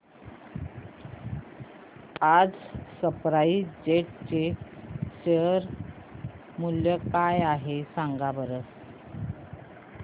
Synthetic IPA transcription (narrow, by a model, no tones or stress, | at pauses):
ad͡zsəpɾaiːd͡ʑeʈ̚t͡ɕeɕeəɾ | muljəkajaɦesaŋɡabəɾət͡s